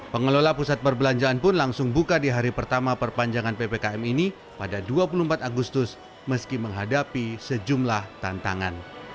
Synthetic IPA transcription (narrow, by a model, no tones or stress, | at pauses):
pəŋəlolapusat̪̚pərbəlaɲd͡ʒaanpʊnlaŋsʊŋbukadiɦaɾipərt̪amapərpaɲd͡ʒaŋanpepekaɛmini | padaduapulumpat̪aɡust̪ʊs | məskiməŋɦadapisəd͡ʒumlaht̪ant̪aŋan